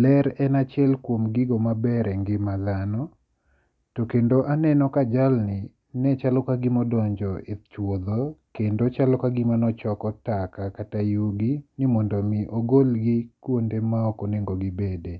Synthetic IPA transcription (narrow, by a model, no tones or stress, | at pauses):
lɛɾɛnat͡ʃɛlkwomɡɪɡomabɛɾɛŋɡɪmad̪anɔ | tokendoʔanɛnɔkad͡ʒalnɪ | nɛt͡ʃalɔkaɡɪmɔdɔɲd͡ʒɔɪt͡ʃwod̪okendot͡ʃalɔkaɡɪmanɔt͡ʃɔkɔtakakatajuɡinimɔndomiʔoɡolɡɪkwondemaɔkoneŋɡoɡɪbede